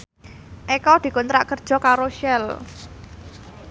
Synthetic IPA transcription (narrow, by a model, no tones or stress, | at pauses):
ʔekɔd̪̥i̤kʊnt̪ɾaʔkərd̥ʒ̥ɔ̤kaɾoʃɛl